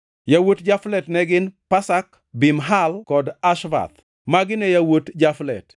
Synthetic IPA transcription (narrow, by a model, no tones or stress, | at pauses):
jawotd͡ʒaflɛtnɛɡɪnpasak | bɪmɦalkɔdaʃva̰t̪ | maɡɪnɛjawotd͡ʒaflɛ̰t